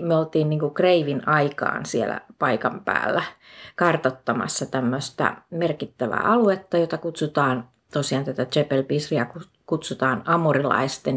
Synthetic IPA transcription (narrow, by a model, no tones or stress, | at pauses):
myøolt̪iːnniːŋkukreiʋinɑikɑ̰ːnsiḛlæ̰pɑikɑmpæ̰ːlːækɑrt̪ot̪ːɑmɑ̰sːɑt̪æmːøst̪æ̰merkit̪ːæʋæ̰ːɑluet̪ːɑjot̪ɑkut̪sut̪ɑːn | t̪osiɑnt̪æt̪æt̪t͡ʃepelpisriɑku | kut̪sut̪ɑːnɑmurilɑ̰ist̪en